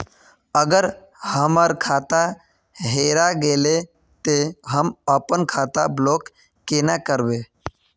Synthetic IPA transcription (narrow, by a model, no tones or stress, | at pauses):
əɡəɾ | həməɾkʰaːt̪a | ɦeːɾaɡeːle | t̪eɦəməpənkʰaːt̪abloːkː | eːnakəɾbeː